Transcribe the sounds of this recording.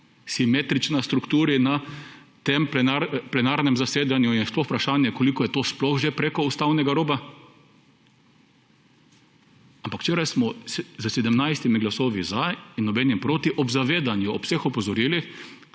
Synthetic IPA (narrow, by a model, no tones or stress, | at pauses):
simeːt̪ɾit͡ʃnast̪ɾukt̪uːɾinat̪emplɛnaɾplɛnaɾnɛmzaseːd̪anjujnsplɔxpɾaʃaːnjɛkɔlikɔjɛt̪oːsplɔxʒepɾeːkɔust̪awnɛɡaɾoːba | ampakw̥t͡ʃeːɾajsmɔzəsɛd̪əmnajst̪imiɡlasoːʋizainːɔbɛnjɛmpɾoːt̪iʔɔbzaʋeːd̪anjuɔpsexɔpɔzɔɾilix